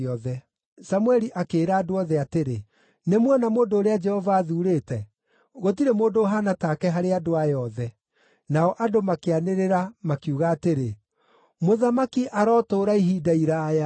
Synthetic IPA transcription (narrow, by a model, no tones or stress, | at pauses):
ɔðɛ | samwɛɾiʔakeːɾaːdoɔðɛateɾḛ | nemwɔnamoːndoːɾead͡ʒɛhɔvaːðuːɾeːtɛ | ɣotiɾemoːndoɦanatakɛɦaɾeadoajɔðɛ | naɔʔadomakeaneɾeɾamakiuɣaːteɾe | moðamakiʔaɾɔːtoːɾaiɦidaiɾaja